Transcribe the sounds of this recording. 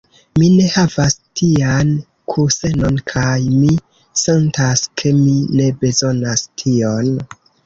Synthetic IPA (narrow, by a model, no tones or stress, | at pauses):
mine̞havastian | kʰuse̞no̞nkʰajmi | se̞ntaskʰe̞mine̞be̞zo̞nastʰio̞n